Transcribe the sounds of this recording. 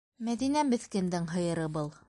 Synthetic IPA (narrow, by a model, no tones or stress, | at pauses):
mæðinæbɘ̆θkɘ̆nd̪ɘŋɦɤ̆jɤ̆ɾɤbɤlˠ